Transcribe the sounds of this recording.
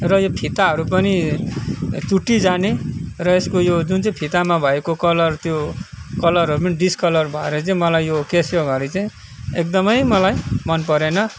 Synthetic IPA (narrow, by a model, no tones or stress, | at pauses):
rʌjopʰit̪aɦʌɾup̬ʌni | t͡suʈːid͡zanerʌeskojod͡zunt͡saĩpʰit̪amabʱʌekokʌlʌrt̪jokʌlʌɾɦʌɾupʌniɖiskʌlʌrbʱʌeɾʌt͡saĩmʌlajjokesjoɡʱʌɾit͡saĩ | ek̚d̪ʌmʌjmʌlajmʌnpʌɾenʌ